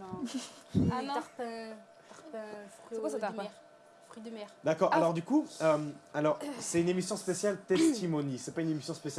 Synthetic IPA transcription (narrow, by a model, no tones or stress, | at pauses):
pɛ̃ | apɛ̃fχkwasat̪aʁ | fχyd̪əmɛʁd̪akɔʁalɔʁd̪ykuømalɔʁsɛt̪ynemisjɔ̃spesjalt̪ɛst̪imɔnisɛpaynemisjɔ̃spesjal